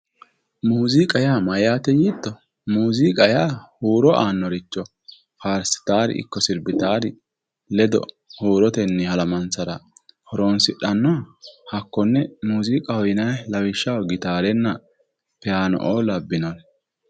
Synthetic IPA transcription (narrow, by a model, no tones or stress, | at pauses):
muːzikʼɐjaːmɐjaːt̪ɛjit̪ːɔ | muːzikʼɐjaːhuːɾɔʔaːnːɔɾɪt͡ʃːɔ | faːɾsɪ̥t̪aːɾɪ̰ɪ̰kːɔsɪɾbɪt̪aːɾɪ | lɛd̪ɔ̰ | huːɾɔt̪ɛnːɪhɐlɐmɐnt͡sɐɾɐhɔɾoːnsɪɗɐnːɔhɐkːɔnːɛmuːzikʼɐhɔjɪnɐjlɐwɪʃːɐwɡɪt̪aːɾɛnːɐ | pɛjaːnɔ̰ʔoːlɐbːɪnɔn